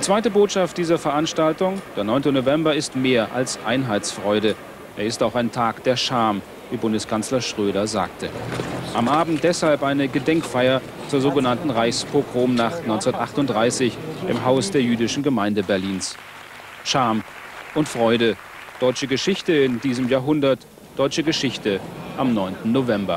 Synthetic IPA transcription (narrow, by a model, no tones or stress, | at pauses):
d̥ːt͡sv̥aɪtəboːtʃaft̚d̥iːzɐfɛɐʔanʃtaltʊŋd̥eːɐnɔʏntənovɛmbɐɪstmeːɐʔa̰lsʔaɪnɦaɪt͡sfʁ̥ɔʏɾə | ʔeːɐɪstaʊxaɪntʰaːkd̥eːɐʃaɐm | viːbʊndəskʰanslɐʃʁ̥øːɾɐza̰ːk̚tʰəʔamʔaːbm̩t̚d̥ɛshalpʔaɪnəɡədɛŋkfaɪɐ | t͡suːɐzoːɡənantn̩ʁaɪçspʰokʁ̥oːmnaχtnɔʏnt͡sɛnɐtʔaχtʊnt̚d̥ʁaɪsɪçʔɪmɦaʊsd̥eːɐjyːdɪʃn̩ɡəmaɪndəbɛɐliːns | ʃaːm | ʔʊntfʁ̥ɔʏɾə | d̥ɔʏt͡ʃəɡəʃɪçtəɪndiːzəmjaːɐɦʊndɐt | d̥ɔʏt͡ʃəɡəʃɪçtəʔamnɔʏntn̩novɛmbɐ